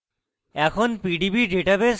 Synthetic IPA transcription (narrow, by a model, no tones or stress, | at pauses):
ɛkʰonpiɖibiɖeʈabes